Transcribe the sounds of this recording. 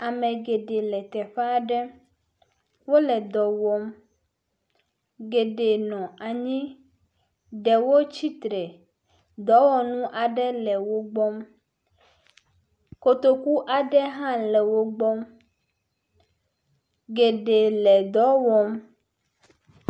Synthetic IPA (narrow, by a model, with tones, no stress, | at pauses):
a˨mɛ̃˨ɡe˨ɖe˨lɛ˨t̪ɛ˨ɸa˦˨ɖɛ˦ | wo˦lɛ˨d̪ɔ˨wɔ˦m | ɡe˨ɖe˨nɔ̃˨a˨ɲĩ˦ | ɖɛ˨wo˦t͡ɕi˦t̪ɾɛ˨ | d̪ɔ˨˦wɔ˨nũ˦ʔa˨ɖɛ˦lɛ˨wo˦ɡ͡bɔ˦m | ko˦t̪o˦ku˦ʔa˨ɖɛ˦ɦã˦lɛ˨wo˦ɡ͡bɔ˦m | ɡe˨ɖe˨lɛ˨d̪ɔ˨˦wɔ˦m